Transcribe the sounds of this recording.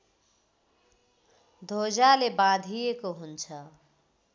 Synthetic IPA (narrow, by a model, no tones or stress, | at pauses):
d̪ʱod͡zalebãd̪ʱijekoɦunt͡sʰʌ